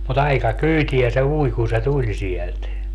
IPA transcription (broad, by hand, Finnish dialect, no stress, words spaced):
mut ɑikɑ kyːtiæ se ui kun̞ se tulʲ sielt